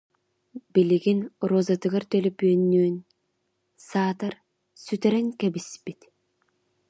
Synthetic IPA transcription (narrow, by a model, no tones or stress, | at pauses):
b̥iliɡinɾɔzat̪ɯɡaɾt̪œlɛpyœnːyːn | saːt̪aɾ | syt̪ɛɾɛŋkɛbispit̪